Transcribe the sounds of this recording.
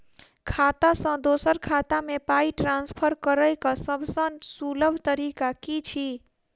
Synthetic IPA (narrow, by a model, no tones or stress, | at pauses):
kʰat̪asə̃d̪osəɾkʰat̪amepaiʈɾanspʰəɾkəɾəjkəsəbʱsə̃nsuləbʱt̪əɾikakit͡ʃʰi